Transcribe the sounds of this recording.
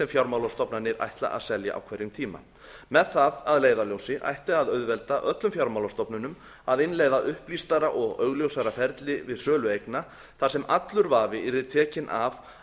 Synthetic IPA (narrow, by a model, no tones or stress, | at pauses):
sɛmfjawɾmawlast̪ɔpnanɪɾa̰jht̪la̰ʔa̰ðsɛlja̰ʔa̰wkʰvɛɾjʏmt̪ʰiːma̰ | mɛðθaðaðleːjðaljowsɪʔa̰jht̪ɪaðœɥðvɛlt̪aʔœt̪lʏmfjawɾmawlast̪ɔpnʏnʏm | aðɪnleːjðaʔʏhplist̪aɾaʔɔɣœɣljowsaɾafɛɾt̪lɪvɪðsœːlʏejkna | θaðsɛmat̪lʏɾvaːvɪiɾɪt̪ʰɛːcɪnʔav